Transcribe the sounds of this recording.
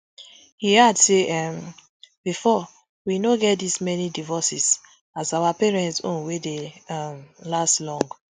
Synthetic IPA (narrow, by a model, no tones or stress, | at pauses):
hihadseʔam | b̥ifɔ | winoɡɛt̚dismɛnidivɔsis | azawapɛɹɛ̃ntsõ̰nwedeamlastlɔ̃ŋɡ